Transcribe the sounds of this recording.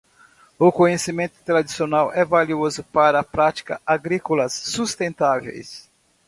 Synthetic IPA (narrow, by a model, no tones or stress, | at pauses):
ʊkõɲesimẽnt̪ʊ̥t̪ɾad̪isionawʔɛvaliozʊpaɾɐːpɾat͡ʃi̥kɐ̰aɡɾikolɐsːust̪ẽnt̪avḛjs